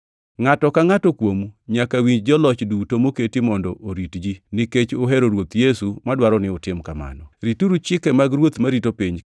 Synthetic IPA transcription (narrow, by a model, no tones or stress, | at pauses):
ŋatɔkaŋatɔkwomuɲakawiɲd͡ʒd͡ʒɔlɔt͡ʃdutomoketimɔndɔʔoɾitd͡ʒiniket͡ʃoɦɛɾoɾwot̪jesumadwaɾɔnɪʊtɪmkama̰nɔɾituɾut͡ʃɪkɛmaɡɾwot̪maɾitopiɲ